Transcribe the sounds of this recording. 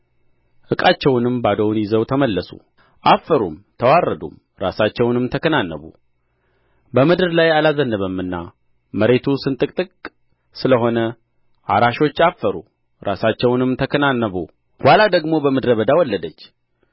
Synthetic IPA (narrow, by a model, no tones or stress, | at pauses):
ʔɨkʼat͡ʃːɛwnɨmbad̪əwnjɪzəwt̪ʰəməlːəsṵ | ʔafːəɾumt̪ʰəwarːəd̪ṵm | ɾa̰sat͡ʃːɛwnɨmt̪ʰəkʰənanːəβṵ | bəmɨd̪ɨɾlajalazənːəβəmɨnːa̰ | məɾe̞t̪ʰusɨnt̪ʼɨkʼt̪ʼɨkʼ | sɨləɦo̞nə | ʔaɾaʃo̞t͡ʃːafːəɾṵ | ɾʔasat͡ʃːɛwnɨmt̪ʰəkʰənanːəβṵ | walad̪əɡmo̞bəmɨd̪ɾəβəd̪awɔlːəd̪ət͡ʃː